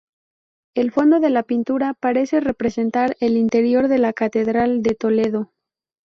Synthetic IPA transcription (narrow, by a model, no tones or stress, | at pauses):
e̞lfo̞nd̪o̞ðe̞lapint̪uɾapaɾe̞se̞re̞pɾe̞se̞nt̪aɾe̞lint̪e̞ɾjo̞ɾðe̞lakat̪e̞ðɾald̪e̞t̪o̞le̞ðo̞